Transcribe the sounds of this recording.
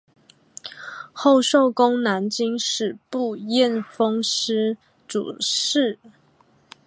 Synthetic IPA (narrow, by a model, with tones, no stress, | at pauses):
xo˥˧ʊʂo˥˨ʊkʊ˥ŋna˧˥nt͡ɕi˥ŋʂɻ̩˨˩pu˥˧jɛ˥˨nfɤ˥ŋʂɻ̩˥ | ʈ͡ʂṵ˨˩ʂɻ̩˥˩